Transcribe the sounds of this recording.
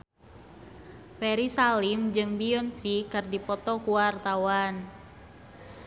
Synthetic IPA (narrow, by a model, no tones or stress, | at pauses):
pɛɾisalimd͡ʒɨŋbiɔnsikɨrdipɔt̪ɔkuwart̪awan